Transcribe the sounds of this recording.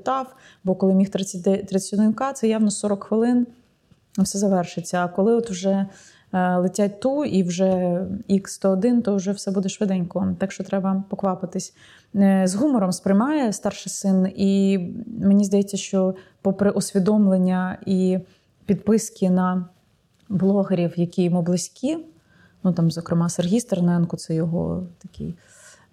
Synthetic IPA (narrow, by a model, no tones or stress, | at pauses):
t̪ɑw | bɔkɔlˠɪmʲixt̪ʲt̪ɾɐt͡sʲd̪ɪnʲkɑt̪sɛjɑwnɔsɔɾɔkxʋɪlˠɪn | wsɛzɐʋɛrʃɪt͡sʲːɐːkɔlˠɪɔt̪wʒɛ | lˠɪtʲat̚ʲt̪uiwʒɛikst̪ɔːd̪ɪnt̪ɔwʒɛwsɛbud̪ɛʃʋɪd̪ɛnʲkɔt̪ɑkʃt͡ʃɔt̪ɾɛbɐpɔkʋɑpɪt̪ɪsʲ | zɦumɔɾɔmspɾɪjmɑjɛst̪ɑrʃɪsɪni | menʲizd̪ɐjɛt͡sʲːɐʃt͡ʃɔpɔpɾɪʔɔsʲʋʲid̪ɔmlˠenʲːɐi | pʲid̪pɪskʲinɐ | blˠɔɦeɾʲiwjɐkʲijʊmublˠɪsʲkʲi | nut̪ɑmzɔkɾemɑserɦʲijst̪ernɛnkʊt̪sɛjɔɦɔ̰t̪ɐkʲɪ̰j